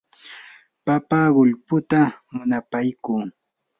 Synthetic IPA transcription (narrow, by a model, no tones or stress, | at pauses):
papaɢʊʎpʊt̪amʊnapajkuː